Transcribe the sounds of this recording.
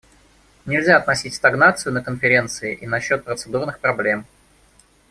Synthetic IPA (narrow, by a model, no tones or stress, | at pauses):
nʲɪlʲzʲaɐt̪nɐsʲitʲst̪ɐɡnat̪sɨjʊnəkənfʲɪɾʲe̞nt̪sɨɪʔinɐɕːo̞t̪̚pɾət̪sɨd̪urnɨxpɾɐblʲe̞m